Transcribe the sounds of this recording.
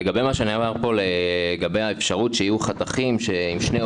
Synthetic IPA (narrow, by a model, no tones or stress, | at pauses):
eɡabe̞maʃeaniavaʁpo̞leɡabe̞jaefʃaʁutʃeijuχat̪aχimʃe̞imʃne̞